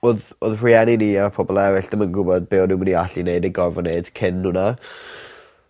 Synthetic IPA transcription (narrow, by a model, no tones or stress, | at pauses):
oðoðriɛniniːapʰɔbɔlˠɛɾɪɬd̥əmənɡʊbɔd̚beɔnɪməniaɬineɨdəɡɔrvɔneɨd̥kʰɪnhʊna